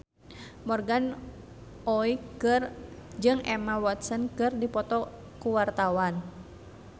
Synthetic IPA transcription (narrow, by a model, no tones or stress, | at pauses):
mɔrɡan | ɔikərd͡ʒɨŋɛmawɔt̪sənkɨrdipɔt̪ɔ | kuwart̪awan